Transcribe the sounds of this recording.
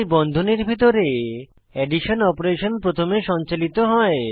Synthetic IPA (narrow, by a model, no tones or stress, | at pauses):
bɔnd̪ʱoneɾbʱit̪oɾe | ɛɖiʃonɔpoɾeʃonpɾot̪ʰomeʃɔnt͡ɕalit̪oɦɔe